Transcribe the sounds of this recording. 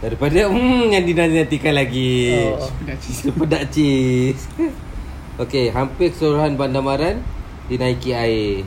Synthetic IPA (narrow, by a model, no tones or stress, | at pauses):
daɾipadamjandinanãnt̪ikanlaɡi | iəppədaʔt͡ʃis | okeɦampɪkə̥suɾuɦanbandamaɾan | dinaikiae